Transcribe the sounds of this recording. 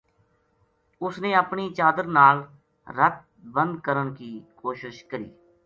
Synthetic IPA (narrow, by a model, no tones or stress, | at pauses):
ʊsneːəpɳiːt͡ʃaːd̪əɾnaːl | ɾət̪̚ | bə̃nd̪̚kəɾəɳkiːkoːʃɪʃkəɾḭː